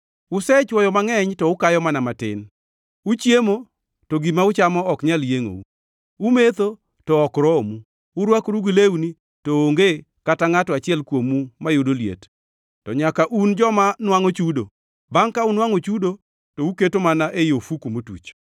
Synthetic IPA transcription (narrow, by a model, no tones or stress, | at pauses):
ʊsɛt͡ʃwɔjɔmaŋɛɲtɔʊkajɔmanamatɪ̰n | ut͡ʃjemo | toɡimaʊt͡ʃamɔɔkɲaljeŋo̰u | umet̪o | tɔɔkɾɔomuː | ɾwakɾuɡileuni | tooŋɡe | kataŋatɔat͡ʃɪɛlkwomumajʊdoljḛt | tɔɲakaʔund͡ʒɔmanwaŋot͡ʃudo̰ | baŋkaunwaŋot͡ʃudo | touketomanaʔejofukomotṵt͡ʃ